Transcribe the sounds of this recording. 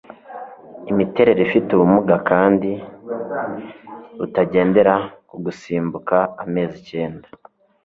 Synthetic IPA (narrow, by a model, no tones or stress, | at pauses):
imite̞ɾe̞ɾefituβumuɡakaːndi | utaɟe̞ːnde̞ɾakuɡusiːmbukaːme̞ːzice̞ːnda